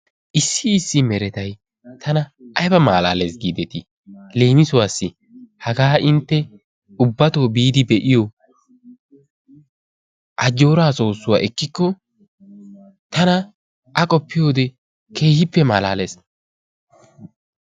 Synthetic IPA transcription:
ʔɪsːɪːsːɪmɛɾɛt̪ɐj | t̪ʰɐnɐʔɐjbɐma̰ːla̰ːle̞ːsɡiːd̪ɛt̪ɪ | le̞ːmɪsʊwaːsːɪ | hɐɡaːʔɪnt̪ːɛ | ʊbːɐt̪o̞ːbiːd̪ɪbɛʔɪjɔ | ʔɐd͡ʒːo̞ːɾaːso̞ːsːʊwa̰ːʔɛkːɪkːɔ | t̪ɐnɐ | ʔɐkʼɔpːɪjo̞ːd̪ɛ | ke̞ːhɪpːɛmaːlaːleːs

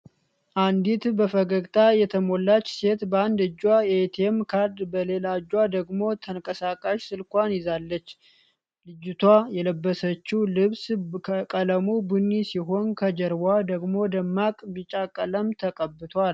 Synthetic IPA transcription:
ʔand̪it̪bəfəɡəɡʼt̪ʼʰajɛt̪ʰəmo̞lːat͡ʃːse̞t̪bəand̪ɨd͡ʒːwajɛt̪ʰemkʰaɾd̪bəle̞laɨd͡ʒːwad̪əɡmo̞t̪ʰəŋkʼəsakʼaʃsɨlkʷanjɪzalːət͡ʃː | lɨd͡ʒːut̪ʰwajɛləbːəsət͡ʃːulɨβskʰkʼələmubunːisiɦo̞nkʰəd͡ʒəɾbʷad̪əɡmo̞d̪əmːakʼbɨt͡ʃʼakʼələmt̪ʰəkʼəbːɨt̪ʰal

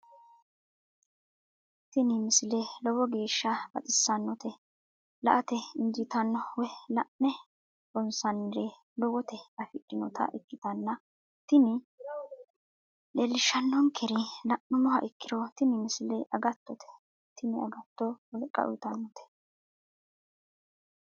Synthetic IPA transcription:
t̪ɪnɪmɪsɪlelɔwɔɡe̞ːʃːɐb̥ɐ̰t̪ʼɪsːɐnːɔt̪ɛ | lɐ̰ʔɐt̪ɛɪnd͡ʒɪt̪ɐnːɔwɛlɐʔnɛ | bɔnsɐnːɪɾe | lɔwɔt̪ɛɐfɪkʼːɪnɔt̪ʰɐ̰ʔɪkːɪt̪ɐnːɐ | t̪ɪnɪ | lelːɪʃɐnːɔŋkʰɛɾɪlɐʔɔmɔɦɐʔɪkːɪɾɔt̪ɪnɪmɪsɪleʔɐɡɐt̪ːɔt̪ʰɛ̥ | t̪ɪnɪɐ̰ɡɐt̪ːɔwɔlkʼːɐ̰ʔʊ̰jt̪ɐnːɔt̪ʰɛ̥

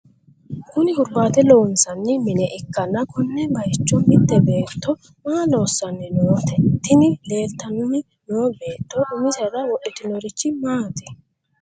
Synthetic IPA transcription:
kʊnɪhʊɾbaːt̪ɛlo̞ːnsɐnːɪmɪnɛʔɪkːɐnːɐkʊnːɛbɐjt͡ʃːʊmɪd̪ːɛbe̞ːt̪ːɔ | maːlo̞ːsːɐnːɛnowt̪ɛt̪ːɪnɪle̞ːlt̪ɐnʊnːɪ | nowɔbe̞ːt̪ːɔʔʊmɪsɛdɐwɔʔɛt̪ɪnɔɾɪt͡ʃːɪmaːt̪ɛ̥

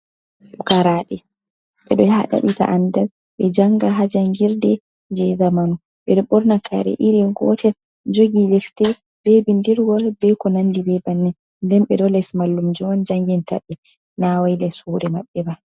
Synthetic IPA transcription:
ukaɾaːɗɛ | ɓɛɗɔhaɗa̰ɗita̰ʔandal | ɓɛd͡ʒaŋɡaɦad͡ʒaŋɡiɾdɛ | d͡ʒɛzamanu | ɓɛɗɔɓɔɾnakʰa̰ɾɛ̰ʔiɾiɡɔ̰tɛl | d͡ʒoɡilɛftɛ | b̥ɛbindiɾwɔlbɛkɔnandibɛbanːɛ | ndɛnɓɛɗɔlɛsmalːumd͡ʒɔnd͡ʒaŋɡinta̰ɓːɛ | nawajlɛsuːɾɛmaɓːɛba

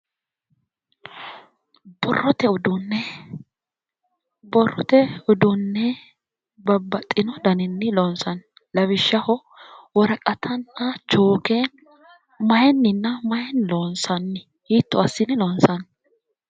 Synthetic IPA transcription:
b̥ɔrːɔt̪ɛʊd̪ʊnːɛ | bɔrːɔt̪ɛʊd̪ʊnːɛ | bɐbːɐt̪ʼːɪnɔd̪ɐnɪnːɪloːnsɐn | lɐβɪʃːɐhɔ | wɔɾɐkʼɐt̪ʰɐnɐt͡ʃoːkeːn | mɐjɛnːɪnːɐmɐjɛnloːnsɐnːɪ | hiːt̪ːɔɐsːɪnɪloːnsɐn

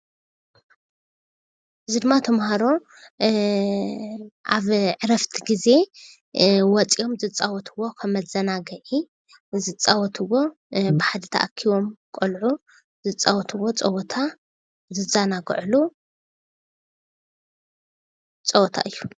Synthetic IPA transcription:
ʔɨzid̪ɨmːat̪ʰɐmhaɾo̞ | aβʕɨɾɐft̪ʰiɡize̞ | wɔt͡sʼio̞mzɨt͡sʼːawɔt̪ʰɨwːo̞kʰɐmɐzɐnaɡɐʕi | zɨt͡sʼawɔt̪ʰɨwo̞ | bɨħad̪ɐt̪ʰɐ̰ʔakʰiβo̞mkʼolʕu | zɨt͡sʼːawɔt̪ʰɨwo̞t͡sʼɐwɔt̪ʰa | zɨzanaɡɨʕlu | t͡sʼɐwɔt̪ʰa̰ʔɨjːu

